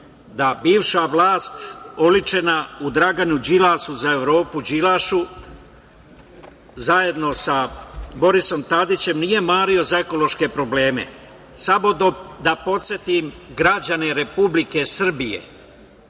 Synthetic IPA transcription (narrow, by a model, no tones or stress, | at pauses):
d̪abiːʋʃaʋlˠaːst̪olit͡ʃe̞naud̪ɾaɡanud͡ʑilaːʃuzae̞ʋɾo̞ːpud͡ʒilaʃu | zaje̞d̪no̞sabo̞ɾiso̞mt̪ad̪it͡ɕe̞mnije̞maːɾio̞zae̞ko̞lo̞ʃke̞pɾo̞ble̞ːme̞̰ | samod̪od̪apo̞t̪sʲje̞t̪im | ɡɾad͡ʑane̞ɾe̞publike̞sr̩bijḛ